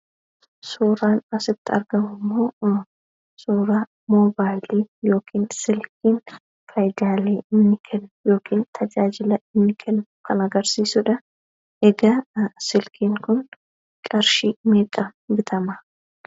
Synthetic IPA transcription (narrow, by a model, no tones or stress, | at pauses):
suːɾaːnɐsɪb̚t̪ːɪɐ̰ɾɡɐmʊmːo̞ː | suːɾa | moːbaːjliːjo̞ːkʰiːnsɪlk̚iːn | kʰɐjd̪aːleːɪmnɪkʰɛnːʊjo̞ːkʰiːnt̪ʰɐd͡ʒaːd͡ʒɪlɐɪmnɪkʰɛnːʊkʰɐnɐɡɐɾsiːsʊᶑɐ | ʔɛɡɐsɪlkʰiːŋkʊn | kʼɐɾʃiːmeːkʼɐbɪt̪ʰɐmɐ